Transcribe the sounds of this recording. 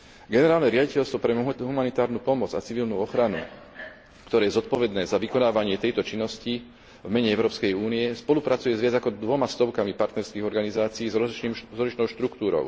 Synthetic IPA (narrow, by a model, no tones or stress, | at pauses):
ɡɛnɛɾaːlnɛɾɪaɟicɛlst̪ʋɔpɾɛɦumanit̪aːɾnuːpɔmɔd͡za̰t͡siʋilnuːɔxɾanṵ | kt̪ɔɾɛːjɛzɔt̪̚pɔʋɛd̪nɛːzaʋikɔnaːʋaɲɪɛt̪ɛjt̪ɔt͡ʃinːɔsci | vmɛɲɛɛʊɾɔːpskɛjuːnijɛspɔlupɾat͡sujɛzʋɪad͡zakɔd̪ʋɔmast̪ɔʊkamipaɾt̪nɛɾskiːɣɔɾɡanizaːt͡siiːzimzɔzlit͡ʃnɔʊʃt̪ɾukt̪uːɾɔ̰ʊ